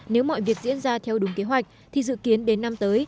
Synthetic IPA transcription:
ne˨˦wmɔ̰˧˨jvi˨˩ək̚zḭ˧˥ənzaː˧t̪ʰɛ˧wɗʊ˨˦ŋ͡mke˨˦ɦwa˨˩jk̚t̪ʰi˨˩zɨ̰˧˨ki˨˦ənɗe˨˦nːa˧mt̪əː˨˦j

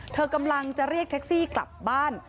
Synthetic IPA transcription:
t̪ʰɤː˧ka˧mla˧ŋt͡ɕa˨˩ɾi˥˩ək̚t̪ʰe˦˥k̚siː˥˩kla̰˨˩p̚baː˥˩n

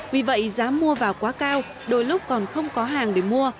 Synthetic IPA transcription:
vi˨˩və̰˧˨jzaː˨˦mːu˧əvaː˨˩wkwaː˨˦kaː˧w | ɗo˨˧˩jlʊ˦˥k͡p̚kɔ˨˩nxə˧wŋ͡mkɔ˨˦ɦaː˨˩ŋɗe˧˩mu˧ə

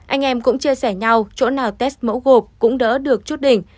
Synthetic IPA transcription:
ʔa˧jŋ̟ʔɛ˧mkʊ̰˧˥ŋ͡mt͡ɕi˧əsɛ˧˩ɲa˧wt͡ɕo̰˧˥naː˨˩wt̪ɛ˦˥st̚mə̰˧˥wɣo˨˩p̚kʊ̰˧˥ŋ͡mɗə̰ː˧˦˥ɗɨ˨˩ək̚t͡ɕu˦˥t̚ɗï˨˩ŋ̟

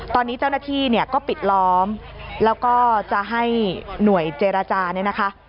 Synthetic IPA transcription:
t̪ɔː˧nːiː˦˥t͡ɕa˥˩wnaː˥˩t̪ʰiː˥˩ni˥˩ɐkɔː˥˩pi˨˩t̪̚lɔː˦˥mlɛː˦˥wkɔː˥˩t͡ɕa˨˩ʔɦa˥˩jnu˨˩˦əjt͡ɕeː˧ɾa˧t͡ɕaː˧ni˥˩na˦˥kʰa˦˥ʔ

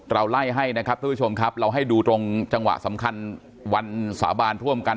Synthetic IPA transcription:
ɾa˧wla˥˩jɦa˥˩jna˦˥kʰa˦p̚t̪ʰːu˥t͡ɕʰo˧mkʰa˦˥p̚ɾa˧wɦa˥˩jduː˧t̪ɾo˧ŋt͡ɕa˧ŋwa̰˨˩ʔsa̰˩˦mkʰa˧n | wa˧nsa̰ː˩˦baː˧nt̪ʰu˥˩əmka˧

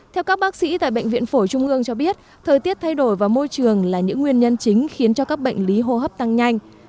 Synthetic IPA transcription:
t̪ʰɛ˧wkaː˦˥k̚ɓaː˦˥k̚sḭ˧˥t̪a̰ː˧˨jɓə̰˧˨jŋ̟vḭ˧˨ənfo˧˩t͡ɕʊ˧ŋ͡mʔɨ˧əŋt͡ɕɔ˧ɓi˦˥ət̚ | t̪ʰəː˨˩jt̪i˦˥əp̚t̪ʰa˧jɗo˧˩jvaː˨˩mo˧jt͡ɕɨ˨˩əŋlaː˨˩ɲɨ̰˧˥ŋːwi˧ənɲə˧nt͡ɕï˨˦ŋ̟xi˨˦ənt͡ɕɔ˧kaː˦˥k̚ɓə̰˧˨jŋ̟li˨˦ɦo˧ɦəː˦˥p̚t̪a˧ŋɲa˧jŋ̟

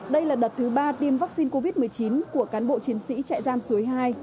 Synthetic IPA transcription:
ɗə˧jlaː˨˩ɗə˨˩t̚t̪ʰːɨ˨˦ɓaː˧t̪i˧əmvaː˦˥k̚si˧nko˧vi˦˥t̚mɨ˨˩əjt͡ɕi˨˦nku˧˩əkaː˨˦nɓo̰˧˨t͡ɕi˨˦ənsḭ˧˥t͡ɕa̰ː˧˨jzaː˧msu˨˦əjɦaː˧j

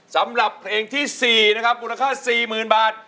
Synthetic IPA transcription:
sa˩˦mɾa˨˩pʰːleː˧ŋt̪ʰiː˥˩siː˨˩na˦˥kʰa˦˥p̚muː˧la˧kʰaː˥˩siː˨˩mɯː˨˩nbaː˨˩t̪̚

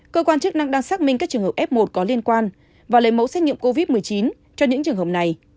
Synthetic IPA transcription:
kəː˧kwaː˧nt͡ɕɨ˦˥k̚na˧ŋɗaː˧ŋsaː˦˥t̚mï˧ŋkaː˦˥k̚t͡ɕɨ˨˩əŋhəː˨˩p̚ʔɛ˦˥p̚mo˨˩t̚kɔ˨˦li˧ənkwaː˧n | vaː˨˩lə˨˦jmə̰˧˥wsɛ˦˥t̚ɲḭ˧ə˨ŋ͡mko˧vi˦˥t̚mɨ˨˩əjt͡ɕi˨˦n | t͡ɕɔ˧ɲɨ̰˧˥ŋt͡ɕɨ˨˩əŋɦə˨˩p̚na˨˩j

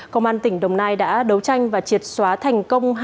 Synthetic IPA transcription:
kə˧wŋ͡mʔaː˧nt̪ï˧˩ŋ̟ɗə˨˩wŋ͡mnaː˧jɗa̰ː˧˥ɗə˨˦wt͡ɕa˧jŋ̟vaː˨˩t͡ɕi˨˩ət̚swaː˨˦t̪ʰa˨˩jŋ̟kə˧wŋ͡mɦ

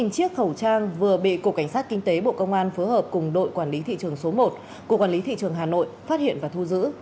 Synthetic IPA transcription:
i˨˩ŋt͡ɕi˦˥ək̚xə˧˩wt͡ɕaː˧ŋvɨ˨˩əɓḭ˧˨ku˨˧˩ka˧˩jŋ̟saː˦˥t̚kï˧ŋ̟t̪e˨˦ɓo̰˧˨kə˧wŋ͡mʔaː˧nfo˨˦jɦəː˨˩p̚kʊ˨˩ŋ͡mɗo̰˧˨jkwaː˧˩nli˨˦t̪ʰḭ˧˨t͡ɕɨ˨˩əŋso˨˦mo˨˩t̚ | ku˧˩˨kwaː˧˩li˨˦t̪ʰḭ˧˨t͡ɕɨ˨˩əŋɦaː˨˩no̰˧˨jfaː˦˥t̚hḭ˧˨ənvaː˨˩t̪ʰu˧zɨ̰˧˥

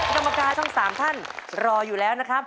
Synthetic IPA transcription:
ka˧mːa˧kaː˧t̪ʰɔ˥˩ŋsaː˩˦mt̪ʰa˥˩nɾɔː˧juː˨˩lɛː˦˥wna˦˥kʰa˦˥p̚

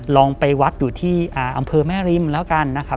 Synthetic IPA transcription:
lɔː˧ŋpa˧jwa˦˥t̪̚juː˨˩t̪ʰiː˥˩ʔaː˨˩ʔa̰˧mpʰɤː˧mɛː˥˩ɾi˧mlɛː˦˥wka˧nːa˦˥kʰa˦˥

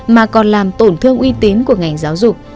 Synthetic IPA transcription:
maː˨˩kɔ˨˩nlaː˨˩mt̪o˧˩nt̪ʰɨ˧əŋʔwi˧t̪i˨˦nku˧˩əŋa˨˩jŋ̟zaː˨˦wzʊ˨˩k͡p̚

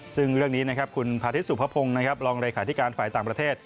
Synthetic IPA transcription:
sɯ˥˩ŋɾɯ˥˩əŋniː˦˥na˦˥kʰa˦˥p̚kʰu˧npʰaː˧t̪ʰi˦˥t̪̚su˨˩pʰa˦˥pʰo˧ŋna˦˥kʰa˦˥p̚ɾɔː˧ŋɾaː˧kʰaː˩t̪i˦˥kaː˧nfaː˨˩jt̪aː˨˩pɾa˧t̪ʰeː˥˩t̪̚

